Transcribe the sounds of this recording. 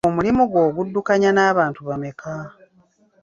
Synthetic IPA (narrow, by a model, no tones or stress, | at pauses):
omulimuɡwo̞ːɡudːukaɲanaːβaːntuβame̞kʰa